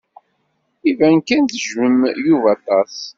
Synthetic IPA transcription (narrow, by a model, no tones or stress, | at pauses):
ivænkænθəʒməmjuvɑt̪ˤɑs